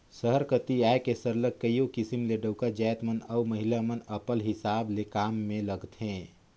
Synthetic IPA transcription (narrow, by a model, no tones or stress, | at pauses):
səɦəɾkət̪iaekesəɾlək̚ːəiokɪsimleɖəʊkad͡ʒaːjt̪mənəuməɦilamənəpəlɦɪsaːblekaːmːẽləɡt̪ʰɦẽː